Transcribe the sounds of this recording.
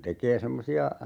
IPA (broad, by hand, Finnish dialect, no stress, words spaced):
tekˑeː semːosiɑ